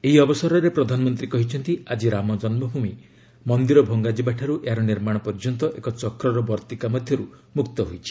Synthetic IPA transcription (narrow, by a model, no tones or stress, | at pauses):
eɦiɔbɔsɔɾɔɾepɾɔd̪ʱanɔmɔnt̪ɾikɔɦit͡ʃʰɔnt̪iad͡ʒiɾamɔd͡ʒɔnmɔɦumi | mɔnd̪iɾɔbʱɔŋɡad͡ʒibaʈʰaɾuʔeɦaɾɔniɾmaɽ̃ɔpɔɾd͡ʒɔnt̪ɔʔekɔt͡ʃɔkɾɔɾɔbɔɾt̪ikamɔd̪ʱjɔɾumukt̪ɔɦojt͡ʃʰi̥